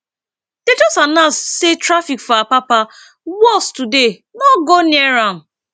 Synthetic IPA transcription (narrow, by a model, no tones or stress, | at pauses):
d̥ed͡ʒɔstanãssetɾafikfɔapapa | wɔstude | nɔɡoniɛɾãn